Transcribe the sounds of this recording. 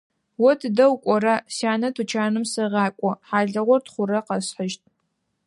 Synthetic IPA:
wɔtʰdɐwkʷʼɔrɐsjaːnɐtʰut͡ʃʰaːnɨmsɐʁɑːkʷʼɔħaːɮɐʁʷɔrtχʷʊɾɐqɐsħəʒtʼ

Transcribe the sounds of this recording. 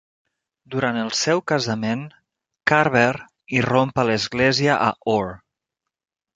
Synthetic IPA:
d̪uɾant̪əlˠsɛwkəzəmen | kaɾβɛɾ | irompələzɣlɛziəʔa̰ʔor

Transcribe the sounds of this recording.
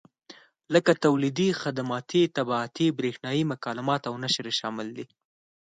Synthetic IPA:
ləkat̪awlid̪ixad̪amɑt̪it̪abɑːt̪ibɾexnɑjimʊkɑlɪmɑt̪awnaʃɾeʃɑmɪld̪i

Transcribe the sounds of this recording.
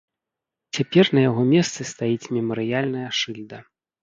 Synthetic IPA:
t͡sʲapʲɛrnɐjaɣɔmʲɛst̪sɨst̪ajit͡sʲmʲɛmɐɾɨjalʲn̪ɐjɐʂɨlʲd̪ɐ

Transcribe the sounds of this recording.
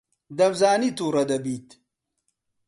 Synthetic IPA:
d̪ɐmzaːnit̪uːɾɐd̪ɐbiːt̪

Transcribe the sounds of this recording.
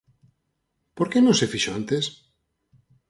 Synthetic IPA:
poɾkenõnsefiʃoãnt̪es

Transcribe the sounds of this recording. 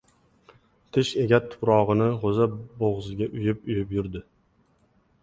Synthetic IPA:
t̪ʰɪʃe̞ɡʲat̪ʰːʊ̥pɾɒʁɨnɪʁozaboʁzɪɡʲaʔʊjɪpʊjɪpjʊɾd̪ɪ

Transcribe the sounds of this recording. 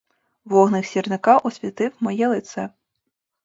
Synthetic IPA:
ʋɔɦnɪxsʲirnɪkɑʔɔsʲʋʲit̪ɪwmɔjɛlˠɪt̪sɛ

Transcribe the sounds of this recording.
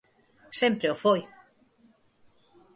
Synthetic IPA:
sempɾeofoj

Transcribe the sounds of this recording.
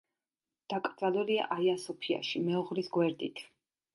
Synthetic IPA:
d̪̥akʼɾd̪zalˠulia̰ʔaiasɔpʰia̰ʃimɛɔʁɾisɡwɛɾd̪it̪ʰ

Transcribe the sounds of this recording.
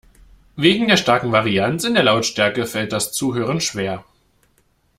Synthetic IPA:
veːɡŋ̩deːɐʃtaɐkŋ̩vaʁiant͡sɪndeːɐlaʊtʃtɛɐkəfɛlt̚d̥ast͡suːɦøːʁ̞ənʃv̥eːɐ

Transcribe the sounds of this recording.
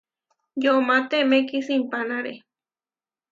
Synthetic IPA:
jomat̪emekisimpanaɾe

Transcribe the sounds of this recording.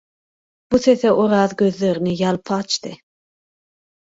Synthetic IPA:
b̥useθɛʔoɾɑːðɡʲøzleɾnɪjɑlpʰɑt͡ʃt̪ʰɨ

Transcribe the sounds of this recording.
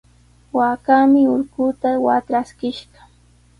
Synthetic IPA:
wakamɪʊɾkʊːt̪awat̪ɾaskɪʃɢɑ̥

